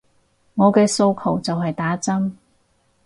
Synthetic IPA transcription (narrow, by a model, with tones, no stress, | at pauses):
ŋɔː˨˧kɛː˧so˧wkʰɐ˨˩wt͡sɐ˨wɦɐ˨jt̪aː˨˥t͡sɐ˥m